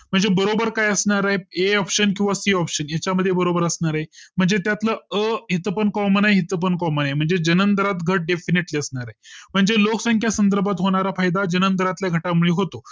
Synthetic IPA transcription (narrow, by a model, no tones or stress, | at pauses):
m̤əɳd͡zebəɾobəɾkajəsɳaɾaɦeeɔpɕənkĩw̃ʋasiɔpɕənjat͡ɕaməd̪ʱːjebəɾobəɾəsɳaɾaɦem̤əɳd͡zet̪jat̪ləəɦit̪əpənkɔmənaeɦit̪əpənkɔmənaɦem̤əɳd͡zed͡ʑənənt̪əɾat̪ɡʱəʈ̚ɖefiniʈliəsɳaɾaɦem̤əɳd͡zeloksãŋkʰjasənd̪əɾbʱat̪ɦoɽ̃aɾafajd̪ad͡ʑənənt̪ɾat̪ljaɡʱəʈamuɭiɦot̪o